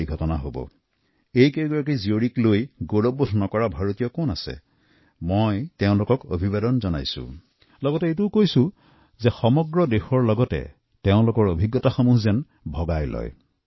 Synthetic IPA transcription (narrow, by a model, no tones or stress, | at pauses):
jɡʱɔtɔna̰ɦobɔ̰ | ejkeɡɔɹak̬izioɹiklojɡoɹobodʱnɔkɔɹabʱaɹotijɔkɔnasɛ̰ | mɔjtɛʊ̃lʊkɔko̰bʱibadɔnzɔna̰jsʊ̰̃ | lɔɡɔtɛetukojsʊ̃ | zɛxɔmɔɡɹɔdexɔɹlɔɡɔtɛ̰ | tɛʊ̃lʊkɔɹobʱiɡːɔtaxɔmuɦzɛn | bʱɔɡajlɔ̰j